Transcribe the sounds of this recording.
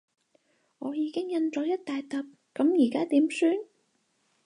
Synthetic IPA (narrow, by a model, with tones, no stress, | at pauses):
ŋɔː˨˧jiː˨˧kɪ˥ŋjɐ˧nt͡sɔː˨˥jɐ˥t̚t̪aː˨jt̪ɐ˨p̚ | kɐ˨˥mjiː˨˩kaː˥t̪iː˨˥msyː˥n